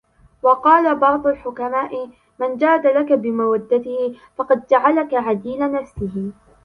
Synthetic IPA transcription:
wɑqɑːlabɑʕd̪ˤʊlħʊkamaːʔɪ | mand͡ʒaːd̪alakabɪmawad̪ːat̪ɪhɪ | fɑqɑd̪̚d͡ʒaʕalakaʕad̪iːlanafsɪɦɪ

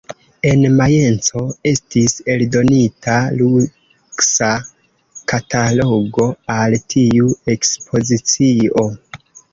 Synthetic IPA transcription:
e̞nmaje̞nt͡so̞e̞stise̞ldo̞nitalu | ksa | katalo̞ɡo̞altʰiue̞kspʰo̞zit͡sio̞

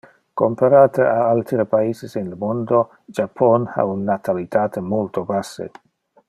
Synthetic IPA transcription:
kompaɾaːt̪əʔaalt̪ɾepaiːsisinləmond̪o | d͡ʒapʰɔna̰unːat̪ʰalit̪aːt̪ʰəmolt̪obasːḛ

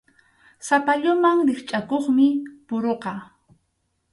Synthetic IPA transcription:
sapaʎʊmaŋɾɪχt͡ʃʼakoχmɪpʊɾoqɑ

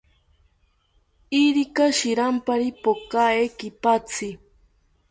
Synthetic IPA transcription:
iɾikaʃiɾampaɾipokaekipat͡sʰɪ

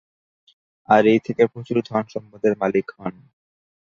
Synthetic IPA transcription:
aɾejt̪ʰekepɾot͡ɕuɾd̪ʱɔnʃɔmpad̪eɾmalikɦɔn

